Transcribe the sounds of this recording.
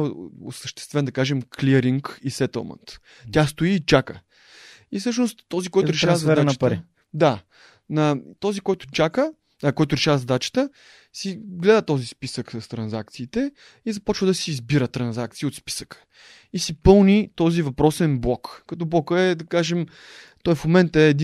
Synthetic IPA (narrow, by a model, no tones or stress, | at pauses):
o̰səʃt̪ɛ̥st̪vɛnd̪ɐkaʒɛmklʲiəɾiŋkisɛt̪ə̰lˠmə̰nt̪ʲ | as̬t̪ʊiːt͡ʃakə | ifsɤʃnost̪ːɔzikɔjt̪ʊɾɛʃɾavəzɐdɾanəpɾi | d̪a | nɐt̪ɔzikɔjt̪ʊ̥t͡ʃakə | əkɔjt̪ʊɾɛʃavəzɐd̪at͡ʃə̥t̪ə | siɡlɛd̪ət̪ɔzispisəksəst̪ɾɐnzak̚t̪siːt̪ɛ | izɐpɔt͡ʃvəd̪ɐsiːzbiɾət̪ɾɐnzakt̪siot̪spi̥sə̥kə̥ | isipɤlˠnʲit̪ɔzivɐpɾɔsɛnblˠɔkːɐt̪ɔblˠɔkəɛd̪ɐkaʒɛm | t̪ɔjfmomɛnt̪əɛːd̪i